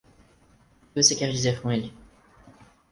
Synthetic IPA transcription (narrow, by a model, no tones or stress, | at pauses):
vosekɛɾd͡ʒizeɾkõelɪ